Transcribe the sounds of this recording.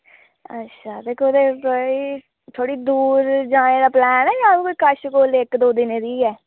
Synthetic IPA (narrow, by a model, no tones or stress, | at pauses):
ətːʃʰaːd̪eːkʰoːd̪eːkoi | t̪ʰoːɽiːd̪uːɾd͡ʒãːeːd̪aːplɛːnɛːjãːbkoiːkəʃkoːlekd̪oːd̪ɪneːd̪iːɛː